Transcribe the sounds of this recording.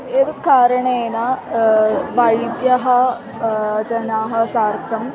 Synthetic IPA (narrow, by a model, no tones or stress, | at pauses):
et̪kaːɾɐɳeena | paid̪jɐɦɐ | t͡ʃɐnaːɦɐsaːɾt̪ʰɐm